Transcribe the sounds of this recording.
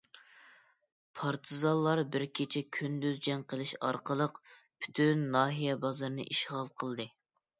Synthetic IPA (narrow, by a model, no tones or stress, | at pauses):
pʰɑɾt̪ʰɨzɑlˠːɑɾbɪɾkʲʰet͡ʃʰɛkʲʰynd̪yzd͡ʒɛŋqəlˠɪʃɑ̰ɾqəlˠəq | pʰy̥t̪ʰynːɑːɦijɛbɑzɑɾnɨ̰ʔiʃʁɑlˠqʰəlˠd̪ɨ